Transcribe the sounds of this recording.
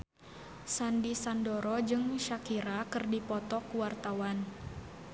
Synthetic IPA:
sandisandɔɾɔd͡ʒɨŋʃakiɾakɨrdipɔt̪ɔkuwart̪awan

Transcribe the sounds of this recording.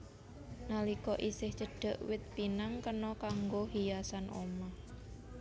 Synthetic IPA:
nalikɔʔisɪht͡ʃəɖ̥ə̤ʔwɪt̪̚pinaŋkənɔkaŋɡoɦijasanʔo̰mah

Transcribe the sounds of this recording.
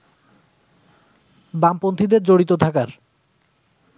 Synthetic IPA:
bampont̪ʰid̪eɾd͡ʑoɽit̪ot̪ʰakaɾ

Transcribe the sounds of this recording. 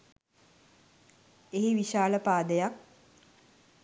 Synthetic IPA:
eɦiʋiʃaːləpaːd̪əjak̚

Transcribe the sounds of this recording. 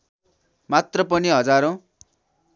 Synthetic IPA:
mat̪rʌpʌniɦʌd͡zaɾõ

